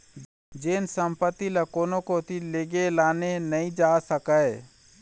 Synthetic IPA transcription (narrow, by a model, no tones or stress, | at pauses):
d͡ʒeːnsəmpət̪ːiləkoːnõkot̪ʰileːɡelaːnenəɦĩd͡ʒaːsəkə